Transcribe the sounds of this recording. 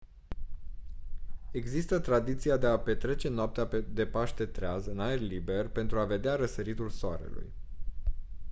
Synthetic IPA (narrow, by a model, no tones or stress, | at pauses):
e̞ɡzist̪ət̪ɾad̪it̪sijad̪e̞ape̞t̪ɾe̞t͡ʃe̞noap̚t̪eaed̪e̞paʃt̪e̞t̪ɾeazɨnae̞rʲlibe̞rpe̞nt̪ɾuave̞d̪eaɾəsəɾit̪ulsoa̰ɾe̞̰lṵj